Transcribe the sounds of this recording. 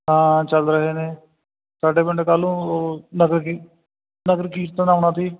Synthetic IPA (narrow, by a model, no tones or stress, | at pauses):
ɦãːt͡ʃəlɾəɦeːneː | saːɖeːbɪɳɖeːkəlũːnəɡɾki | nəkəɾkiːʈt̪ãːnaːʊɳãːt̪iː